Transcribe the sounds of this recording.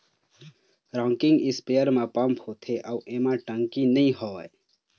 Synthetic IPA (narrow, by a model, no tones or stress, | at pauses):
ɾãːŋkɪ̃ŋɡɪspejəɾmãpəmpʰhot̪ʰeʔauʔemãʈə̃ŋkinəĩɦɔae